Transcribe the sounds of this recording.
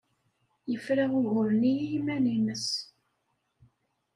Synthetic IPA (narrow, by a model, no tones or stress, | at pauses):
jəfɾaʁʊɣʊɾəniimæninəs